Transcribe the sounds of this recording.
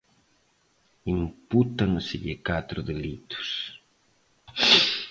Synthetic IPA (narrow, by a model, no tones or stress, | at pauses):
imput̪aŋsɪʎɪkat̪ɾʊðelit̪ʊ̥s